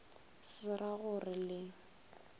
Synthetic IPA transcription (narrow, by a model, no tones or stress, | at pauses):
sɪraɣʊrɪlɪ